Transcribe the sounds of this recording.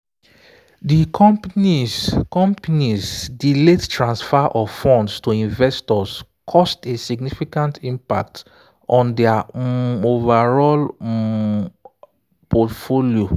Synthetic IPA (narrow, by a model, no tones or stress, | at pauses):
dikʰɔ̃mpnikɔ̃mpanizdilettʰɹãnsfaʔɔfɔ̃ndstuĩnvɛstɔs | kʰɔstesiɡnifikãntʰĩmpa̰k̚t | ɔ̃ndɛa | ovaɹɔl | pɔtfolio